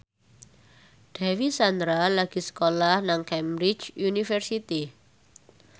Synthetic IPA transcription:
ɖ̥ɛwisand̪ɾalaɡ̥i̤sə̥kolahnaŋkɛmbɾit͡ʃunifɛrsit̪i

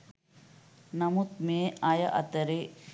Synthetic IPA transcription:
nɐmut̪̚meːaːjɐ̰ʔɐ̰t̪ɐɾe

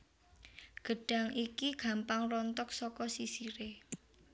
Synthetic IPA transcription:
ɡ̥ə̤ɖ̥ä̤ŋikiɡ̥ä̤mpaŋrɔnt̪ɔk̚sɔkɔsisiɾe

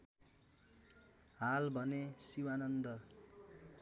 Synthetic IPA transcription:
ɦalbʱʌnesiwanʌnd̪ʌ

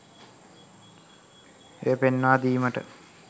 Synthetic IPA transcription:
ḛəpenːaːd̪iːməʈə

